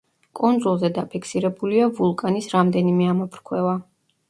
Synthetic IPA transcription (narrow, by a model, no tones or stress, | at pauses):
kʼund̪zulˠzɛd̪apʰikʰsiɾɛbuliavulˠkʼanisɾamd̪ɛnimɛamɔpʰɾkʰwɛva